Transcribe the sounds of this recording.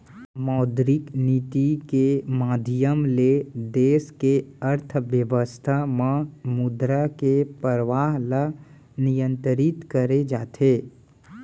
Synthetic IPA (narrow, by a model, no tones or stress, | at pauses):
mɔːd̪ɾɪkniːt̪ikemaːd̪ʱijəmled̪eːskeəɾt̪ʰʋjəʋəst̪ʰamãmʊd̪ɾakepəɾəʋaːɦla | nijə̃nt̪əɾit̪kəɾed͡ʒaːt̪ʰeː